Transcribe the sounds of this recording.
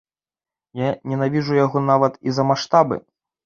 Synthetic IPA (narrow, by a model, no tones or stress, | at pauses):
janʲɛnavʲiʐujaɣɔnavɐt̪izɐmaʂt̪abɨ̰